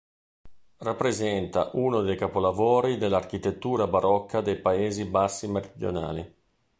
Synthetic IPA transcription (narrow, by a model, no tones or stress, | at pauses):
rapːɾezɛnt̪a̰ʔunod̪ejkapolavoːɾid̪elːark̟it̪et̪ːuːɾabaɾɔkːad̪ejpaeːzibasːimeɾid̪jo̰na̰ːli